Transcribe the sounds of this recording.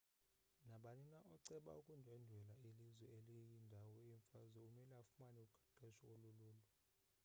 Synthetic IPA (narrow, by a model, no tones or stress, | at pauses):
naɓanɛnaʔɔǀɛɓa̰ukʼundʱɛndʱwɛlailizwɛelijindʱawɔiɱfazwɛumɛlɛafumaniukʰḁɡ͡ǃ̥ʱɛʃɔoluluːlɔ